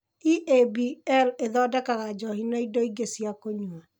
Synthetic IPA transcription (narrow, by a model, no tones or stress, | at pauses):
iʔebiɛleðɔdakaɣad͡ʒɔhinaidoiɡesiakoɲua